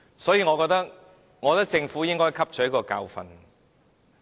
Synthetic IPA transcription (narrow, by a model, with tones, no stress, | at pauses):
sɔː˨˥jiː˧ŋɔː˨˧kɔː˧k̚t̪ɐ˥k̚ | ŋɔː˨˧˥t̪ɐ˥k̚t͡sɪ˧ŋfu˨˥jɪ˥ŋkɔː˥jkʰɐ˥p̚t͡ʃʰœ˨˥jɐ˥kɔː˧ka̰ː˧wfɐ̰˧n